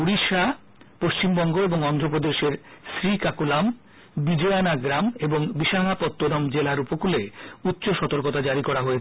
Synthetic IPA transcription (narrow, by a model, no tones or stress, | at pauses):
uɾiʃa | poʃt͡ɕimbɔŋɡoeboŋɔnd̪ʱɾopɾod̪eʃeɾʃɾikakulam | bid͡ʑoanaɡɾameboŋbiʃaŋapɔt̪ːoɾɔmd͡ʑelaɾupokuleut̪ːɕoʃɔt̪oɾkot̪ad͡ʑaɾikɔɾaɦoet͡ɕʰe